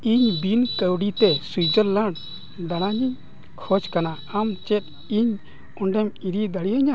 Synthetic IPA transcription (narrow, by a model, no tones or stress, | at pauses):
iɲbinkəwɽit̪ɛsujd͡ʒəɾləɳɖ | d̪aɽ̃aɲiɲ | kʰɔd͡ʒkana | amt͡ʃɛt̪̚ | iɲ | ɔɳɖɛmiɾid̪aɽiaɲa